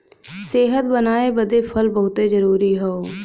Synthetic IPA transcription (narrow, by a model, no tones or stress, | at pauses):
seːɦət̪bənaːebəd̪epʰəlbəɦʊt̪ezəɾuːɾiɦɛoː